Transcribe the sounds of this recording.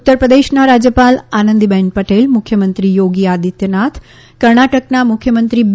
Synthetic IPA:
ut̪ːəɾpɾəd̪eʃnaɾad͡ʒjəpalanə̃nd̪ibɛɳpəʈelmʊkʰjəmənt̪ɾijoɡiad̪it̪jənat̪ʰ | kəɾɳaʈəknamʊkʰjəmənt̪ɾib

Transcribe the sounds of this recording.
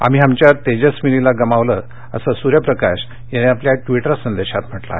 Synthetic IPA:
a̰m̤iɦamt͡ɕjat̪ed͡ʑəsmililaɡəmaʋlə | ə̰səsuɾjəpɾəkaɕ | janiapljaʈʋiʈəɾsənd̪eɕat̪m̤əʈla̰

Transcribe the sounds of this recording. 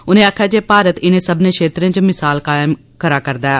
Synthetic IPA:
ʊnẽːaːkʰjaːd͡ʒeːpaːɾət̪ɪnẽːsəbnẽːʃʰeːt̪ɾẽːt͡ʃmɪsaːlkaːɪm | kəɾaːkəɾd̪aɛː

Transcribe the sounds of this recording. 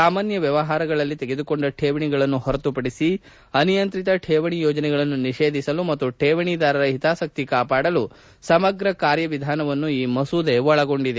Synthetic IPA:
saːmaːnjɐʋjɐʋɐɦaːɾɐɡɐɭɐlːit̪eɡed̪uko̞ɳɖɐʈʰeːʋɐɳiɡɐɭɐnːuhɔɾɐt̪upɐɽisi | ɐnijɐnt̪ɾit̪ɐʈʰeːʋɐɳijɔːd͡ʒɐnɛɡɐɭɐnːuniʂe̞ːd̪ʱisɐlumɐt̪ːuʈʰeːʋɐɳid̪aːɾɐɾɐɦit̪aːsɐk̚t̪ikaːpaːɽɐlu | sɐmɐɡɾɐkaːɾjɐʋid̪ʱaːnɐʋɐnːuiːmɐsuːd̪eʋɔɭɐɡo̞ɳɖid̪e

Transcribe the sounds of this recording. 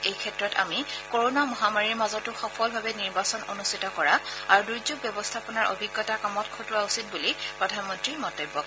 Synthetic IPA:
ejkʰɛtɹɔta̰mikoɹɔnamɔɦamaɹiɹmazɔtʊxɔpʰɔlbʱabɛniɹbasɔnonustʰitɔkɔɹaaɹuduzuɡ̚bjɔbɔstʰapɔnaɹʔo̰bʱiɡːɔtakamɔtkʰotʊwausit̚bulipɹɔdʱanmɔntɹimɔntojbːɔk

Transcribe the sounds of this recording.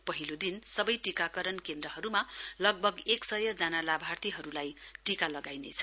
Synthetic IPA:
pʌɦilod̪insʌbʌjʈikakʌɾʌnkend̪rʌɦʌɾumalʌɡ̚bʱʌɡeksʌjʌd͡zanalabʱart̪iɦʌɾulajʈikalʌɡajnḛt͡sʰʌ̥

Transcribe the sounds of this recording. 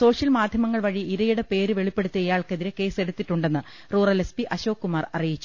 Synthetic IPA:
so̞ːʂjɐlmaːd̪ʱjɐmɐŋːɐɭʋɐɻiiɾɐjuɽepe̞ːɾuʋe̞ɭipːe̞ɽut̪ːijɐjaːɭkeðiɾeke̞ːse̞ɽut̪ːiʈːuɳɖe̞nːɨ | ruːrɐlespiʔɐɕo̞ːkːumaːrɐrijit͡ɕːu̥

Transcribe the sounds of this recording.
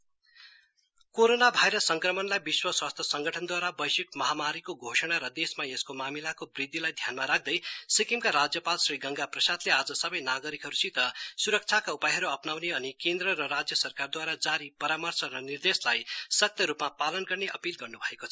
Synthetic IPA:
koɾonabʱajɾʌsːʌŋkrʌmʌnlajbiswʌswast̪ʰjʌsʌŋɡʌʈʰʌnd̪waɾabʌjsikmʌɦamaɾikoɡʱosʌɽ̃aɾʌd̪esmaeskomamilakobrid̪ːilajd̪ʱjanmaɾak̚ʰd̪ʌjsikimkaɾad͡zjʌpalsriɡʌŋɡaprʌsad̪lead͡zʌsʌbʌjnaɡʌɾikɦʌɾusit̪ʌsuɾʌk̚t͡sʰakaupajɦʌɾuʌpnawneʌnikend̪rʌɾʌɾad͡zjʌsʌrkard̪waɾad͡zaɾipʌɾamʌrt͡sʰʌɾʌnird̪eslajsʌk̚t̪ʰjʌɾupmapalʌnɡʌrneʔʌpilɡʌrnubʱʌekot͡sʰʌ

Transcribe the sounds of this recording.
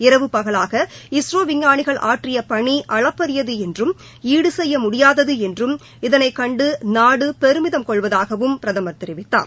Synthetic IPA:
ɪɾɐʋɯpːɐɣɐɭaːɣɐɪsroːʋɪŋːaːɳɪɣɐɭʔaːʈrɪjɐpɐɳiʔɐɭɐpːɐɾɪjɐðɯɛndrɯm | iːɽɯsɛjːɐmʊɽɪjaːðɐðɯɛndrɯm | ɪðɐnɐɪkɐɳɖɯnaːɽɯpɛɾɯmɪðɐmkɔɭʋɐðaːɣɐʋɯmpɪɾɐðɐmɐɾt̪ɪɾɪʋɪt̪ːa̰ːɾ

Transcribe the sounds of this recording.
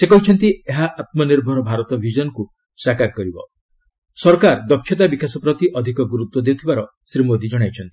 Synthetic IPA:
sekɔɦit͡ʃʰɔnt̪ieɦaʔat̪̚mɔniɾbʱɔɾɔbʱaɾɔt̪ɔbʱid͡ʒɔnɔku | sakaɾkɔɾibɔ̰ | sɔɾkaɾd̪ɔkʰjɔt̪abikasɔpɾɔt̪iʔɔd̪ʱikɔɡuɾut̪wɔd̪eut̪ʰibaɾɔ | sɾimod̪id͡ʒɔɽ̃ajt͡ʃʰɔnt̪i̥

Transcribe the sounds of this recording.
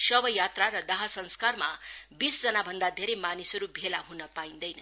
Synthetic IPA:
sʌbʌjat̪raɾʌd̪ʌɦasʌnskarma̰bisd͡zʌnabʱʌnd̪ad̪ʱeɾejmanisʌɾubʱelaɦunʌpaĩnd̪ʌjnʌ

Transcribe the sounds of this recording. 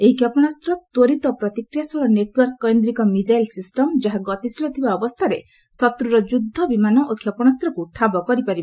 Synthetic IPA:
eɦikjɔpɔɽ̃ast̪ɾɔt̪oɾit̪ɔpɾɔt̪ikɾijasɔɭɔneʈwɔɾkːɔjnd̪ɾikɔmid͡ʒajlsisʈɔmd͡ʒaɦaɡɔt̪isilɔt̪ʰibaɔbɔst̪ʰaɾe | sɔt̪ɾuɾɔd͡ʒud̪ʱːɔbimanɔʔokʰjɔpɔɽ̃ast̪ɾɔkuʈʰabɔkɔɾipaɾib

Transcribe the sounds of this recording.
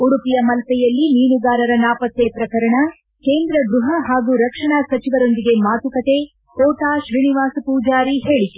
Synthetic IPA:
uɽupijɐmɐlɐkɛjɐlːiniːnuɡaːɾɐɾɐnaːpɐt̪jepɾɐkɐɾɐɳɐ | keːnd̪ɾɐɡɾuɦɐɦaːɡuːɾɐkʂɐɳaːsɐt͡ʃiʋɐɾo̞nd̪iɡe̞maːt̪ukɐt̪e̞ | kɔːʈaːʃɾiːniʋaːsɐpuːd͡ʒaːɾiɦe̞ːɭit̪u

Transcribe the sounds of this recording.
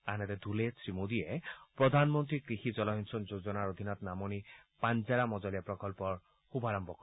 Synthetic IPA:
anɛt̪ɛd̪ʱuletɹimod̪ijɛpɹɔd̪ʱanmɔnt̪ɹikɹixizɔlɔɦinsɔnzozɔnaɹod̪ʱinɔt̪namɔnipanzaɹamɔzɔlijapɹɔkɔlpɔɹ | xubʱaɹɔmbʱɔkɔ

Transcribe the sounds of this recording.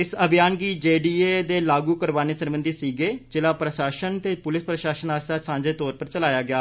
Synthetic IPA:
ɪsəbʱɪjaːnɡiːd͡ʒeːɖiːeːd̪eːlaːɡuːkəɾʋaːneːsənbənd̪iːsiːɡeːd͡ʒɪlaːpɾəʃaːʃənt̪eːpʊlɪspɾəʃaːʃənaːst̪aːsãːɲd͡ʒeːt̪ɔːɾpəɾt͡ʃəlaːjaːɡɪaː

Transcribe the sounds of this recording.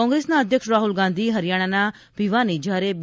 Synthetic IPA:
ɔːŋɡɾeːsnãːəd̪ʱjəkʃɾaːɦʊlɡãːnd̪iːɦəɾɪjaːɽ̃aːnaː | biʋaːniːd͡ʒaːɾeːb

